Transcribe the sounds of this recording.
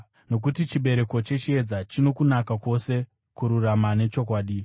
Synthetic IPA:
no̞k̬utit͡ʃiɓe̞ɾe̞ko̞t͡ʃe̞t͡ʃie̞d͡zat͡ʃino̞kunakakwo̞se̞ | kuɾuramane̞t͡ʃo̞kwaːɗi

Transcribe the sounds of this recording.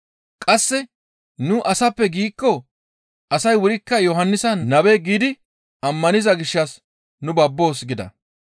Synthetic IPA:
kʼɐsːɛ | nʊʔɐsɐpːɛɡiːkːɔ | ʔɐsɐjwʊɾɪkːɐjɔɦɐnːɪsɐnɐbeɡiːd̪ɪ | ɐmːɐnɪzɐɡɪʃːɐs | nʊbɐbːo̞ːsɡɪd̪ɐ̰

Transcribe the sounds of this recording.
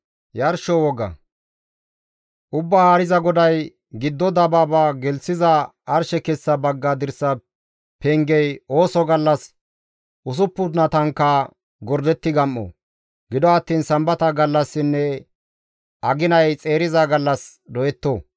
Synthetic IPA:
jɐɾʃɔwɔɡɐ̰ | ʔʊbːaːaːɾɪzɐɡɔd̪ɐj | ɡɪd̪ːɔd̪ɐbaːbaɡɛlsɪzɐ | ɐɾʃɛkɛsːɐbɐɡːad̪ɪɾsɐ | pɛŋɡɛjo̞ːsɔɡɐlːɐs | ʔʊs̬ʊpːʊnɐt̪ɐŋkːa | ɡɔɾd̪ɛt̪ːɪɡɐmːɔ̰ | ɡɪd̪ɔɐt̪ːiːnsɐmbɐt̪ɐɡɐlːɐsːɪnːɛ | ɐɡɪnɐjt͡sʼe̞ːɾɪzaɡɐlːɐsd̪ɔjɛt̪ːoː

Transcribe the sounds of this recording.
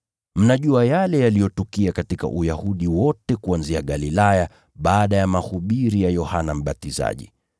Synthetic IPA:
m̩naʄuajalɛjalijɔtukiakatika̰ʔujahuɗiwɔtɛkuanziaɠalilaja | ɓaːɗajamahuɓiɾijajɔhanam̩ɓatiza̰ʄḭ

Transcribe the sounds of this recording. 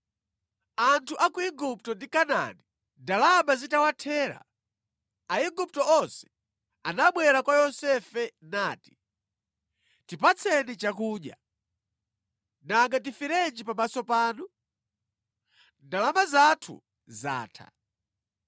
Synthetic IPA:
antʰuʔakuiɡup̚tɔndikana̰ni | ndalamazitawatʰɛːɾa̰ | aiɡup̚tɔɔnsɛ̥ | anaɓwɛɾakwajɔsɛfɛnaːti̥ | tipat͡sʰɛnit͡ʃakuːɗja̰ | naŋɡat̬ifiɾɛnd͡ʒipamasɔpaːnu | ndalamazatʰṵ | za̰ːtʰa̰

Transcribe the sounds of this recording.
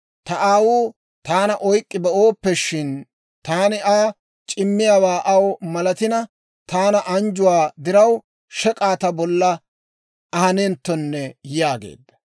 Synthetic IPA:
t̪ɐʔaːwuː | t̪aːnɐʔɔjkʼːɪbɛoːpːɛʃɪn | t̪aːnɪʔaː | t͡ʃʼɪmːɪjaːwaːʔɐwmɐlɐt̪ɪnɐ | t̪aːnɐʔɐnd͡ʒʊwaːd̪ɪɾɐw | ʃɛkʼaːt̪ɐbɔlːɐ | ɐhɐneːnt̪ːɔnːɛjaːɡḛːd̪ːɐ̥

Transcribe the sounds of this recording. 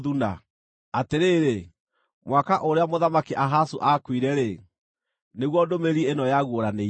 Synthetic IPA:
ðuna | ateɾeːɾe | mwakaʔoɾeamoðamakeʔaɦasuʔakwiɾɛɾe | neɣwɔdomeɾienɔjaɣwoɾane

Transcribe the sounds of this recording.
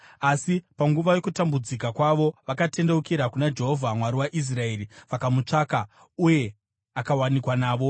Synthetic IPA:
asipaŋɡuʋajo̞kutambud͡zikakwaʋo̞ʋakate̞nde̞ukiɾakunad͡ʒe̞ɦovʱamwaɾiwaʔis̬raeːɾiʋakamut͡ʂaːka | uje̞ | akawanikwanaːʋo̞

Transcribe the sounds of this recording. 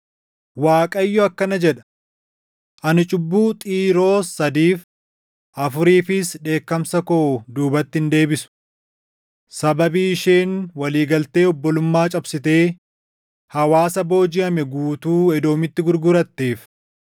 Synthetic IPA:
waːkʼɐjːɔɐkːɐnɐd͡ʒɛᶑɐ̥ | ʔɐnɪt͡ʃʼʊbːuːt̪ʼiːɾo̞ːsɐd̪iːf | ʔɐfʊɾiːfɪsᶑe̞ːkːɐmsɐkod̪uːbɐt̪ːɪhɪnd̪e̞ːbɪsʊ̥ | sɐbɐbiːɪʃeːnwɐliːɡɐlt̪e̞ːɔbːɔlʊmːaːt͡ʃʼɐbsɪt̪e̞ː | hɐwaːsɐbo̞ːd͡ʒɪɐmɛɡuːt̪uːɛd̪o̞ːmɪt̪ːɪɡʊɾɡʊɾɐt̪ːeːf

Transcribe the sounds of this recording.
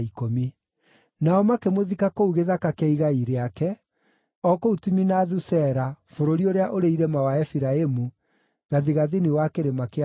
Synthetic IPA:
ikomi | naɔmakemoðikakouɣeðakakɛiɣaiɾeakɛ | ɔkoutuminaðusɛɾafoɾoɾioɾeaʔoɾeiɾɛmawaɛfiɾaemu | ɣaðiɣaðeniwakeɾemake

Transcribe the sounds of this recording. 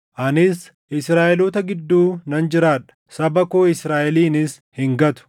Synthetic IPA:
ʔɐnɪs | ʔɪsɾaːʔɛlot̪ɐɡɪd̪ːuːnɐnd͡ʒɪɾaːᶑɐ̥sɐbɐkoːɪsɾaːʔɛliːnɪs | hɪŋɡɐt̪ʊ̥

